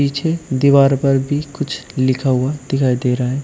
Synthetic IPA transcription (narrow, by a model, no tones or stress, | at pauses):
iːt͡ʃʰed̪iʋaːɾpɐɾbʱikʊt͡ʃʰlɪkʰaɦʊad̪̥ɪkʰaːid̪eːɾaɦaɛː